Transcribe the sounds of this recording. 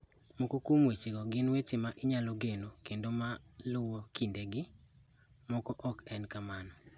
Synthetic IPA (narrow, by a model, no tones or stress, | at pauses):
mɔkokumwet͡ʃiɡɔɡɪnwet͡ʃɪmaʔɪɲalɔɡenokendomalʊwɔkindeɡɪ | mɔkɔʔɔkɛnkamanɔ